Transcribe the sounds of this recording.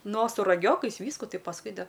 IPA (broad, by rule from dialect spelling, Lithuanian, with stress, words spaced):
ˈnoː sʊ rɐˈɡʲoːkɐɪs ˈʋʲiːskʊ ˈtɐɪ pɐsˈkʊɪ dɐ